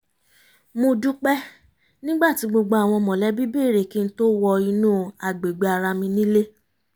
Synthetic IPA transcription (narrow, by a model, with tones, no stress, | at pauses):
mo˧du˦k͡pɛ˦ | nĩ˦ɡ͡ba˦˨ti˨˦ɡ͡bo˧ɡ͡bo˧a˨w̃ɔ̃˧mɔ̃˨lɛ˨˦bi˦be˦˨ɾe˨ki˦n̩˦to˦wɔ˧i˧nũː˦˨a˨ɡ͡be˨ɡ͡be˨a˨ɾa˧mĩ˧nĩ˦le˦